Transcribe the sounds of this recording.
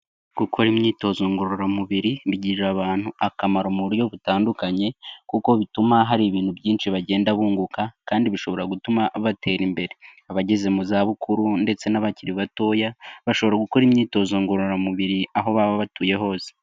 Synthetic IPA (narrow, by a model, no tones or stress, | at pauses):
ɡ̥ukʰo̞ɾimɲiːto̞zoːŋɡoɾoɾamuβiɾiβiɟiɾɾaβaːn̥huakamaɾomuɾjo̞βutaːndukaɲe̞kuko̞βitumaɦaɾiβiːnhuβɟiːnʃiβaɟe̞ːndaβuːŋɡukakaːndiβiʃo̞βo̞ɾaɡutumaβatʰe̞ːɾimbe̞ɾe̞aβaɟe̞ze̞muzaːβukʰuɾunde̞t͡se̞naβaciɾiβato̞ːjaβaʃo̞βɾaɡuko̞ɾimɲiːto̞zoːŋɡoɾoɾamuβiɾiaɦo̞βaβaβatuːje̞ɦo̞ːze̥